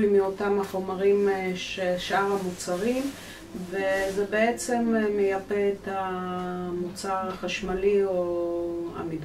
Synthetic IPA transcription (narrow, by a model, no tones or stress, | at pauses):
limio̞tamaχo̞maʁimʃeʃaʁhamut͡saʁim | vezebeet͡se̞mmejapeːta | mut͡saʁaχaʃmalio | a̰mid